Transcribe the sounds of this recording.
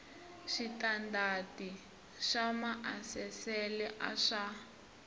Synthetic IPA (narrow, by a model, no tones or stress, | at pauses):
ʃitandati | ʃamaʔasɛsɛlɛʔaʂa